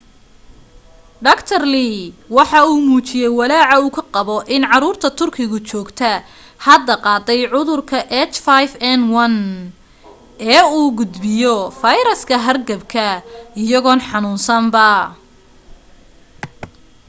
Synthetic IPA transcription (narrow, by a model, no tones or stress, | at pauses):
ɖɐkt̪ʰɐrliwɑħɑuːmuːt͡ʃɪjɛjwɑlaːʕɑuːkʰɐqɑβɔʔɪnʕɑɾuːrt̪ʰɐt̪ʰʊrkʰɪɣʊt͡ʃɔːɡt̪ʰɐ | hɐd̪ɐqɑːd̪ɛjʕʊðʊrkʰɐʔɛt͡ʃfajfɛnwɐn | ɛːuːɡʊd̪bɪjɔfɐjɾɐskʰɐɦɐrɡɐbkʰɐɪjɐɣɔːnħɑnuːnsɐmbɐ